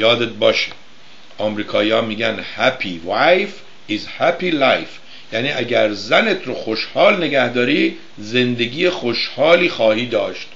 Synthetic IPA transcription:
jɒːd̪et̪̚bɒːʃe̥ | ʔɒːmɾiːkʰɒːiːjɒːmiːɡænhæpʰivajf | izhæpilajf | jæniːʔæɡæɾzænet̪ʰɾoxoʃhɒːlne̞ɡæhd̪ɒːɾiː | ze̞nd̪eɡiːjexoʃhɒːliːxɒːhiːd̪ɒːʃt̪

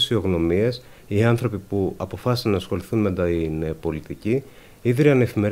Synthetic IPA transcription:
sio̞ɣno̞mie̞s | iɐnθɾo̞pipuɐpo̞fɐsi̥sɐnɐːsxo̞liθunmed̪inpo̞lit̪ici | iðɾiɐne̞fime̞ɾ

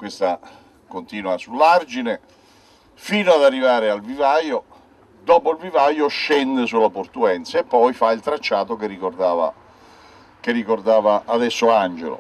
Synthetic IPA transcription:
kwest̪a | kont̪iːnwasulːard͡ʒine | fiːnoad̪arːivaːɾɪalvivajo | d̪ɔːpoilvivajoʃɛnd̪esulːaport̪uɛnt̪saepːɔjfailt̪ɾat͡ʃːaːt̪okerːikord̪aːva̰ | kerːikord̪aːvaʔːd̪ɛsːoand͡ʒḛlo̰

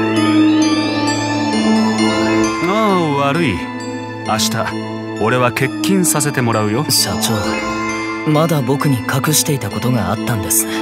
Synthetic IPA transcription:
aːβaɾɯ̟i | aɕi̥t̪a | o̞ɾe̞βake̞kʲːĩɰ̃sase̞t̪e̞mo̞ɾaɯ̟jo̞ɕat͡ɕo̞ː | mad̪abo̞kɯ̟ɲ̟ikʰakɯ̟ɕi̥t̪e̞it̪ako̞t̪o̞ɡaat̪ːãnd̪e̞sɨ̥

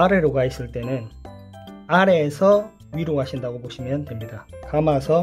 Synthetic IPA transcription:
aɾe̞ɾoɡais͈ɯɭt͈e̞nɯn | aɾe̞sʰʌ | ɥiɾoɡaɕʰindaɡoboɕʰimjʌntwe̞mɲidakamasʰʌ

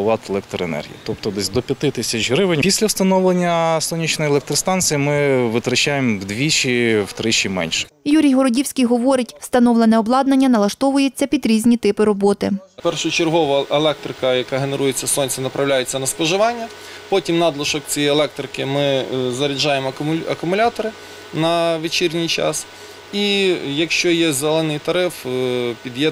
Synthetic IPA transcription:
ʋɑt̪elˠɛk̚t̪ɾɔenɛ̰rɦʲḭjit̪ɔpt̪ɔd̪ɛsʲd̪ɔpʲjɐt̪ɪt̪ɪsʲɐt͡ʃɦɾɪʋɪnʲpʲisʲlʲɐwst̪ɐnɔʋlˠenʲːɐsɔnʲit͡ʃnɔjelˠɛk̚t̪ɾɔst̪ɑnt͡s̪sijimɪʋɪt̪ɾɐt͡ʃajemwd̪ʋʲit͡ʃiwt̪ɾɪt͡ʃimɛ̰nʲʃɛ̥juɾʲijɦɔɾɔdʲiwsʲkʲijɦɔʋɔɾɪtʲst̪ɐnɔʋlˠenɛɔblˠɑd̪nɐnʲːɐnɐlˠɐʃt̪ɔʋʊjet͡sʲːɐpʲid̪ɾʲizʲnʲit̪ɪpɪɾɔbɔt̪ɪpɛrʃʊt͡ʃerɦɔʋɐelˠɛk̚t̪ɾɪkɐjɐkɑɦeneɾujet͡sʲːɐsɔnʲt͡sʲɪnɐpɾʔɐwlʲajʊt͡sʲːɐnɐspɔʒɪʋɑnʲːɐ | pɔtʲimnɑd̪lˠɔʃɔkt͡sʲijɛjelˠɛk̚t̪ɾɪkɪmɪzɐɾʲid͡ʒɑjemɐkʊmʊlʲat̪ɔɾɪ | nɐʋet͡ʃirʲnʲijt͡ʃɑ̰s | ijɐkʃt͡ʃɔjɛzelˠɛnɪjt̪ɐɾɪfpʲid̪jɛ

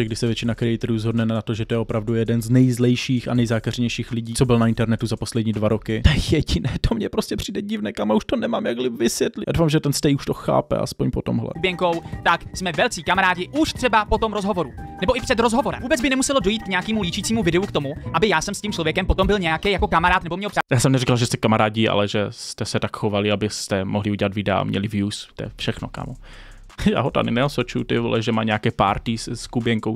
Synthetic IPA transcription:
ɛɡ̚dɪʃsɛvjɛt͡ʃɪnakɾɛɪt̪ɾuzɦo̞dnɛnnat̪oʒɛt̪ojɛopɾavdujɛdɛnznɛjzlɛjʃiːxa̰nɛjzaːkarɲɛjʃiːxlɪɟiːt͡sobɪlnaɪnt̪ɛɾnɛt̪uzaposlɛdɲiːdvaɾokɪt̪ɛjɛɟɪnɛːt̪ʰomɲɛpɾo̞scɛpr̝̥iːdɛɟɪvnɛːkamauʃt̪onɛmaːmjaɡlɪvɪsvjɛt̪lɪjadowfamʒɛt̪ɛnst̪ɛjuʃt̪oxa̰ːpɛ̰ʔa̰spo̞ɲpot̪omɦlɛ̰bɛŋko̞wt̪aksmɛvɛlt͡siːkamaɾaːɟɪʔuʃt̪r̝̥ɛbapo̞t̪o̞mɾozɦo̞vo̞ɾunɛbo̞ʔɪpr̥ɛd̪ɾozɦo̞vo̞ɾɛmvuːbɛt͡sd͡zbɪnɛmusɛlodojiːt̪̚kɲɛjakiːmuliːt͡ʃiːt͡siːmuvɪdɛukt̪o̞muʔabɪjaːsɛmscimt͡ʃlo̞vjɛkɛmpo̞t̪ombɪlɲɛjakɛjako̞kamaɾaːt̪nɛbomɲɛopr̥ajaːsɛmnɛɾrikalʒɛst̪ɛkamaɾaːɟɪa̰lɛʒɛst̪ɛsɛt̪akxovalɪabɪst̪ɛmʔoɦlɪuɟɛlat̪vɪdɛa̰mɲɛ̰lɪvjuːst̪o̰ɛfʃɛxno̰ka̰mo | ja̰ːɦot̪a̰nɪnɛosɛt͡ʃujut̪ɪvo̰lɛʒɛma̰ːɲɛjakɛːpa̰ɾt̪ɪsskubjɛŋkow

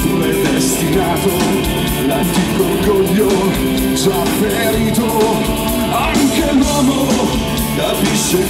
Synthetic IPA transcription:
t̪uɛjd̪est̪inaːt̪o | lant̪iːkoɡɔʎːo | d͡ʒapːe | ɾiːt̪o | aŋkenwɔmo | d̪apiʃːe

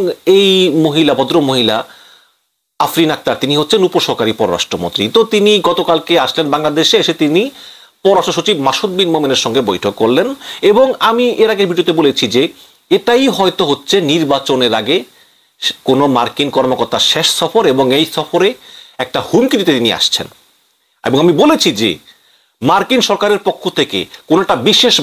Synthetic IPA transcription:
ŋejmoɦilabɔd̪ɾomoɦila | afɾinak̚t̪aɾt̪iniɦotːɕʰenupoʃɔkaɾipɔɾoɾa̰ʃʈɾomo̰nt̪ɾit̪ot̪iniɡɔt̪okalkeaʃlenbaŋlad̪eʃeʃet̪ini | pɔɾoɾaʃʈoʃ̬ot͡ɕibmaʃut̪̚binmomeneɾʃɔŋɡebojʈʰokːoɾleneboŋamieɾaɡeɾbiɖiot̪ebolet͡ɕʰid͡ʑe | eʈajɦɔet̪oɦotːɕʰeniɾbat͡ɕoneɾaɡe | konomaɾkinkɔɾmokɔɾt̪aʃeʃsɔfoɾeboŋejsɔfoɾeɛk̚ʈahumkid̪it̪et̪inia̰ʃt͡ɕʰḛn | ḛboŋamibolet͡ɕʰid͡ʑḛ | maɾkinʃɔɾkaɾeɾpokʰːot̪ʰekḛkonoɛkʈabiʃeʃ

